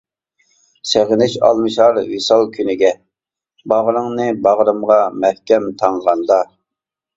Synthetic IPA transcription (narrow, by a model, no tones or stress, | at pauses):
seʁɪnɪʃɑ̰lˠmɨʃɑɾwisɑlˠkʲʰynɪɡʲɛ | bɑʁɾɨŋnɨbɑʁɾɨmʁɑmɛhkʲɛmt̪ʰɑɴʁɑnd̪ɑ